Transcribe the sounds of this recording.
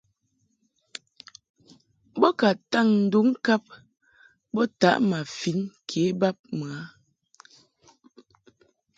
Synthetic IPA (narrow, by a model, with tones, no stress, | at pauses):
bɔ˦ka˨ta˦˨ŋn̩˨du˦ŋ̩˦ka˦p̚ | bɔ˦ta̰˨˦ʔma˨fi˨˦nkʰe˨˦ba˦p̚mə˨a˨˦